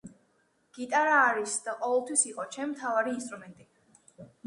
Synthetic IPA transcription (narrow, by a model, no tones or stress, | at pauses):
ɡ̥it̪ʼaɾaːɾisd̪̥aqʼɔvɛlˠt̪ʰwisiqʼɔt͡ʃʰɛmimt̪ʰavaɾiːnst̪ʼɾumɛnt̪ʼi